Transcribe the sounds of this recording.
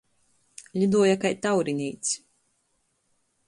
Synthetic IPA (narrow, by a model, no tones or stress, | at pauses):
lʲid̪uɔjakajt̪awɾinʲijt̪s